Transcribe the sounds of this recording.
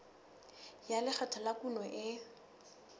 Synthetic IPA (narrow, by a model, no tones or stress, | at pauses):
jalɪk͡xʰatʰalakunɔʔɪ